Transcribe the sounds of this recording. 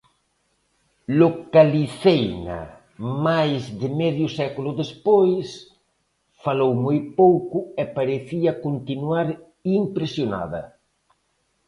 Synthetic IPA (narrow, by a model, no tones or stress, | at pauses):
lokaliθejna̰ | majzðɪmɛðjʊsɛkulʊðespojs | falowmojpowkʊepaɾeθiɐkont̪inwaɾ | impɾesjona̰ðɐ̰